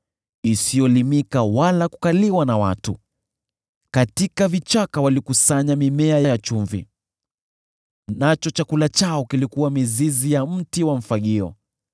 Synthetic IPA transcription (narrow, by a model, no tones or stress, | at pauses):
isijɔlimikawalaku̥kaliwanawa̰tu | katikavit͡ʃakawalikusaɲamimɛajajat͡ʃuɱvḭ | nat͡ʃɔt͡ʃakulat͡ʃaɔkilikuwamizizijam̩tiwaɱ̩faɠiɔ̰